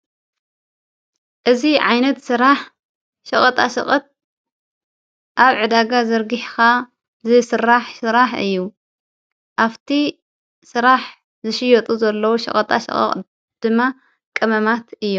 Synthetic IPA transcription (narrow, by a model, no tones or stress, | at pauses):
ʔɨziʕajnɐt̪sɨɾaħ | ʃɐχʼɐt̪ʼaʃɐ̰χʼɐt̪̚ | ʔaβʕɨd̪aɡazɐɾɡɨħka | zɨsɨɾaħsɨɾaħɨ̰jːu | ʔaft̪ʰi | sɨɾaħ | zɨʃɪjɐt̪ʼuzɐlːɐwuʃɐ̰χʼɐt̪ʼa̰ʃɐ̰χʼɐ̰χʼ | d̪̥ɨmːa | kʼɐmɐmat̪ʰɨjːu